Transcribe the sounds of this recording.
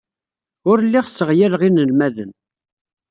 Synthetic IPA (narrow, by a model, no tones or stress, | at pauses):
ʊɾlːiʁsːəʁjælʁinəlmæðən